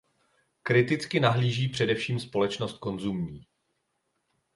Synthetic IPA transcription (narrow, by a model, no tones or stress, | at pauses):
kɾɪt̪ɪt͡skɪnaɦliːʒiːpr̝̥ɛdɛfʃiːmspo̞lɛt͡ʃno̞st̪̚ko̞nzumɲiː